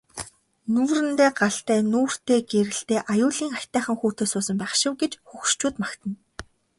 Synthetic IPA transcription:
nuːrɘ̆nt̪eːɢaɬt̪æːnuːr̥t̪eːɡeɾɘ̆ɬt̪eːʔajʊːɮiːŋakʲt̪æːχə̆ŋxuːt̪ʰeːsʊːsə̆mpæːχʃɪ̆wɡet͡ɕxuxʃt͡ɕuːt̪makt̪ʰə̆n

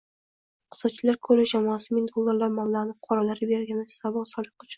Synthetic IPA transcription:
qʰɨ̥sːɒt͡ʃʰɪlaɾkʰɵlɪd͡ʒamɒasɪmɪnd̪olˠːaɾlaɾmamlanɪfʊ̥qʰɑɾɒlaɾɪbeɾɡʲanɪ̥sabɒlsɒlˠɪqʊt͡ʃʰʊ̥n

